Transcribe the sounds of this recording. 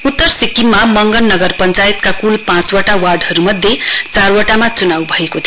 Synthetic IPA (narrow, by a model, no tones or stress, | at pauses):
ut̪ːʌrsikːimːamʌŋɡʌnːʌɡʌrpʌnt͡sajet̪kakulpãt͡swaʈawarɖɦʌɾumʌd̪ʱːjet͡sarwaʈamat͡sunawbʱʌekot̪ʰi